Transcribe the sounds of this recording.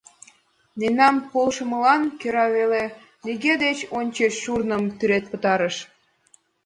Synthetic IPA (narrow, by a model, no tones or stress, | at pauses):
nenɑmpolʃəmə̆lɑnkøɾɑβele | niɣed̪et͡ɕonʲt͡ɕeʃːurnə̆mt̪yɾet̪̚pə̆t̪ɑɾəʃ